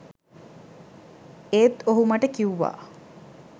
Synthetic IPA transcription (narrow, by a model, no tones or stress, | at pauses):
eːt̪oɦumɐʈəkiuʋa̰ː